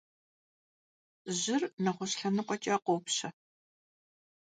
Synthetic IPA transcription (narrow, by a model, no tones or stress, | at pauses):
ʑɪrnɐʁʷʊɕɬɐnɨqʷɔt͡ʃʼɐqʷowpɕɐ